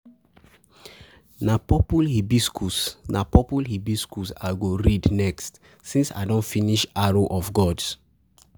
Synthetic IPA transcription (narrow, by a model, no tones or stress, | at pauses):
napɔpulhibiskʰusnapɔpulhibiskusaɡoɹidnɛkst | sĩnsa̰ɪdɔ̃nfiniʃaɹoʔɔfɡɔds